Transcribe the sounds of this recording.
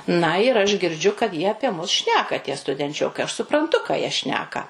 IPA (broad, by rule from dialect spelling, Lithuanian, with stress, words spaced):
nɐ ɪr ɐʃ ɡʲɪrʲˈd͡ʒʲʊ kɐt ˈjiɛ ɐpʲiɛ ˈmʊs ˈʃʲnʲæːkɐ tʲiɛ stʊdʲɛnʲˈt͡ʃʲoːkɐɪ ɐʃ sʊprɐnˈtʊ kɑː jiɛ ˈʃʲnʲæːkɐ